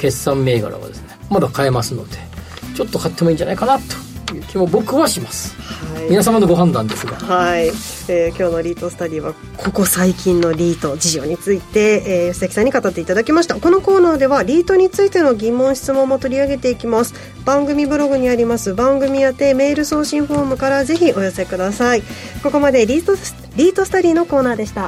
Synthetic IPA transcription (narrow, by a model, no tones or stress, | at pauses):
ke̞sːãmːe̞ːɡa̰ɾa̰βa̰d̪e̞sɨnemad̪akae̞masɨno̞d̪̥e | t͡ɕo̞t̪ːokat̪ːemoiːɲd͡ʒd͡ʑa̰na̰ikanat̪ːo̥jɯ̟ːkʲimobo̞kɯ̟βaɕimasɨ̥haiinas̬amanoɡo̞ɦãnd̪ã̰nd̪e̞sɨɡa̰hai | ekʲo̞ːno̞ɾʲiːt̪o̞sɨ̥t̪aɾʲiːβa | kʰo̞ko̞saikʲĩnːo̞ɾʲiːt̪o̞d͡ʑiʑo̞ːɲ̟it͡sɨit̪e̞ːst̪ekʲi̥sãɲ̟ːikat̪at̪ːe̞it̪ad̪akʲimaɕi̥t̪ako̞no̞ko̞ːnaːd̪e̞βaɾʲiːt̪o̞ɲ̟it͡sɨit̪e̞no̞ɡʲimːõ̞ɕi̥t͡sɨmõ̞mːo̞t̪o̞ɾʲiaɡe̞t̪e̞ikʲimasɨ̥ | b̥ãŋɡɯ̟mʲibɯ̟ɾo̞ɡɯ̟ɲ̟iaɾʲimasɨbãŋɡɯ̟mʲijat̪e̞me̞ːɾɯ̟so̞ːɕĩɰ̃ɸo̞ːmɯ̟kaɾaze̞çiʔo̞jo̞se̞kɯ̟d̪asai | ko̞ko̞mad̪e̞ɾʲi | ɾʲiːt̪o̞sɨ̥t̪oɾʲiːno̞ko̞ːnaːd̪e̞ɕi̥t̪a